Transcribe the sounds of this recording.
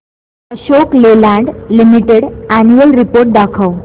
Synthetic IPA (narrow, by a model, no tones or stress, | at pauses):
əɕoklelãɳɖlimiʈeɽanuəlɾipoɾʈ̚d̪akʰəw